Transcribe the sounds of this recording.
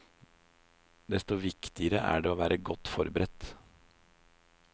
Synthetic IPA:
d̪ɛst̪ɔʋɪkt̪ɪəɾəʔæ̰ɖɛoːʋæːɾʔəɡɔt̪ːfɔɾbəɾɛt̪ː

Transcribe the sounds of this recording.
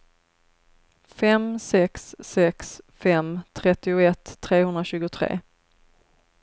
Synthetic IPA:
fɛmsɛksːɛksfɛmt̪ʰɾɛt̪ːɪʊɛt̪ʰːɾeːhɵnd̪ɾaɕʉ̟ːɡʊt̪ʰɾḛː

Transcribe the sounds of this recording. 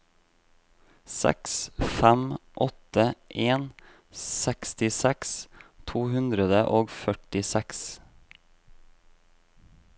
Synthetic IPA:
sɛ̰ksfæmʔɔt̪əʔeːn | sɛkst̪ɪsɛkst̪ʰuːhʉnd̪ɾəd̪əʔoːɡfœʈɪsɛks

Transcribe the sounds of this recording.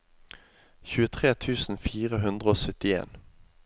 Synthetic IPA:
çʉːət̪ʰʁeːt̪ʰʉːsn̩fiːʁəɦʉnd̪ʁəoːsœt̪ɪḛːn

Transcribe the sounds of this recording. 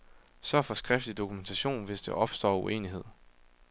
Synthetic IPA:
sɶɐfɒ̽sɡ̥ʁɛfd̥lid̥o̝kʰument͡sʰæɕo̝̰ːnʋe̝sd̥e̝ʔɒ̽b̥sd̥ɒ̰ːue̝̰ːniɦe̝ð̰ˠ

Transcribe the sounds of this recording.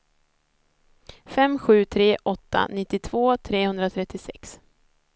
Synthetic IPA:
fɛmɧʉ̟ːt̪ʰɾeːʔɔt̪ːa̰nɪt̪ːɪt̪ʰv̥oːt̪ʰɾeːhɵnd̪ɾat̪ʰɾɛt̪ːɪsɛks

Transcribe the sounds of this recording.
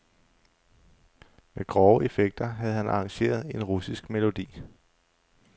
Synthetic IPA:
meɡ̥ʁɒʊəe̝feɡ̥̚d̥ɐɦæð̞̩ˠhænɑ̈ɑŋɕe̝̰ːɐð̞ˠe̝nʁusisɡ̥me̝lo̝d̥ḭː

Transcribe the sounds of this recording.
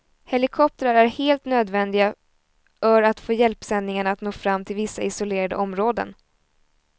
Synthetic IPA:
hɛlɪkʰɔp̚t̪əɾaɾæɾheːlt̪nøːd̪vɛnd̪ɪɡa | fœɾat̪foːjɛlpsɛnd̪nɪŋaɳaat̪noːfɾamːt̪ʰɪlvɪsːaɪsʊleːɾad̪ə̰ɔmɾoːd̪ə̰n

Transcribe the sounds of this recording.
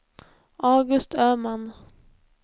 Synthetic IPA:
ɑːɡɵst̪ʰøːman

